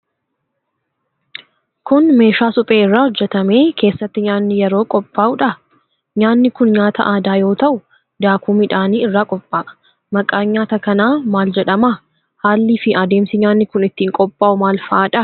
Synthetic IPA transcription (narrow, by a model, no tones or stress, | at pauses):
kʊnme̞ːʃaːsʊpʼe̞ːɪrːaːhɔd͡ʒːɛt̪ɐme̞ːkʰe̞ːsːɐt̪ːɪɲaːnːɪjɛɾo̞ːkʼɔpʼːaːʔʊᶑɐ | ɲaːnːɪkʊnɲaːt̪ʰɐ̰ʔaːd̪aːjo̞ːt̪ɐʔʊ | d̪aːkuːmɪᶑaːniːɪrːaːkʼɔpʼːaːʔ | mɐkʼaːɲaːt̪ɐkɐnaːmaːld͡ʒɛᶑɐmɐ | haːlːiːfɪʔɐd̪e̞ːmsɪɲaːnːɪkʊnɪt̪ːiːŋkʼɔpʼːaːʔʊmaːlfɐaːᶑɐ